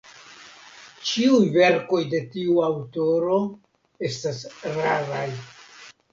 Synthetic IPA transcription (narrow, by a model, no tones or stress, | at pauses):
t͡ʃiujve̞ɾko̞jde̞tiuawto̞ɾo̞ | e̞stasɾavaj